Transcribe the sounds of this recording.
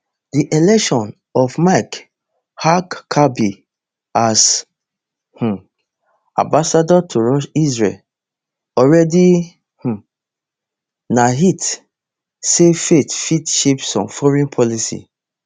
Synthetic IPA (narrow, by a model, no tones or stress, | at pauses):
diʔelɛkʃɔ̃n | ɔfmak | hakːʰabi | as | h̩ | ã̰mbasadɔtʰoɹɔʃisɹḛl | ɔɹɛdi | h̩ | naɦit | sefetfitʃepsɔ̰̃mfɔɹɛ̃npʰɔlisḭ